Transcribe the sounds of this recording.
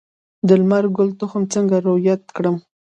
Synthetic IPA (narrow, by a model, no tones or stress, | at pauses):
d̪əlmaɾɡʊlt̪ʊxəmt͡səŋɡaɾʊjat̪kɽəm